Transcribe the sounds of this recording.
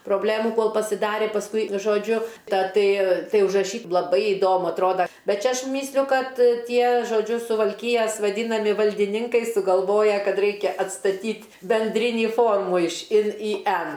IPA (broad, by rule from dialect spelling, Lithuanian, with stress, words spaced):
proːˈbʲlʲeːmʊ ˈkoːlˠ pɐsʲɪˈdɑːrʲeː pɐsˈkʊɪ ʒoːˈd͡ʒʲʊ ˈtɐ ˈtɐɪ ˈtɐɪ ʊʒrɐˈʃʲiː lˠɐˈbɐɪ ɪˈdoːmʊ ɐtˈroːdɐ ˈbʲɛt ˈt͡ʃʲɛ ˈɐʃ ˈmʲiːsʲlʲʊ ˈkɐt ˈtʲiɛ ʒoːˈd͡ʒʲʊ sʊʋɐlʲˈkʲiːjɛs ʋɐˈdʲiːnɐmʲɪ ʋɐlʲdʲɪˈnʲɪŋkɐɪ sʊɡɐlˠˈʋoːjɛ ˈkɐt ˈrɐɪkʲɛ ɐtstɐˈtʲiːtʲ bʲɛnʲˈdʲrʲɪnʲiː ˈfoːrmuː ɪʃ ˈɪn iː ˈɛn